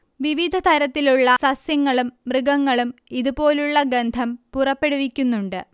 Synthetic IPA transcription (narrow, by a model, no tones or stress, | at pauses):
ʋiʋid̪ʱɐt̪ʰɐɾɐt̪ːiluɭːɐsɐsjɐŋːɐɭumːrɨɡɐŋːɐɭumiðupo̞ːluɭːɐɡend̪ʱɐmpurɐpːe̞ɽuʋikʲːunːuɳɖɨ